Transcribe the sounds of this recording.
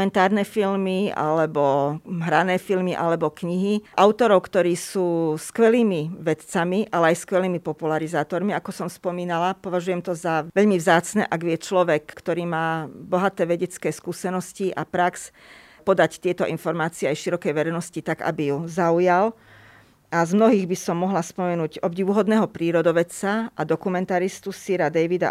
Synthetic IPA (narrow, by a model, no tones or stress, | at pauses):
mɛnt̪aːɾnɛfilmia̰lɛbɔɦɾanɛːfilmiʔalɛbɔkɲiɦiʔaʊt̪ɔɾɔʊkt̪ɔɾiːsuːskʋɛliːmiʋɛt̪t͡samiʔalɛajskʋɛliːmipɔpulaɾizaːt̪ɔɾmiakɔsɔmspɔmiːnalapɔʋaʒujɛmt̪ɔzaʋɛʎmivzaːt͡snɛ̰ːʔaɡʋɪɛt͡ʃlɔʋɛkkt̪ɔɾiːmaːbɔɦat̪ɛːʋɛɟɛt͡skɛːskuːsɛnɔsciʔa̰pɾaks | pɔd̪act̪ɪɛt̪ɔʔinfɔɾmaːt͡siɛajʃiɾɔkɛjʋɛɾɛjnɔscit̪aɡa̰bijuzaujal | azmnɔɦiːɣbisɔmːɔɦlaspɔmɛnuːɟɔbɟiːʋuɦɔd̪nɛːɦɔpɾiːɾɔd̪ɔʋɛt͡saad̪ɔkumɛnt̪aɾist̪usiɾad̪ɛjʋid̪a̰